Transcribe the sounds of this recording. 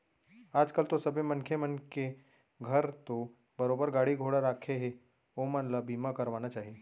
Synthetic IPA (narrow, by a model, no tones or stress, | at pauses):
aːd͡ʒkəlt̪osɐbʱemɐ̃nkʰemənke | ɡʱɐɾt̪o | bɐɾoːbəɾɡaːɽiɡʱoːɽaɾaːkʰeɦe | omənlabʱiːmakɐɾʋaːnat͡ʃaːɦieː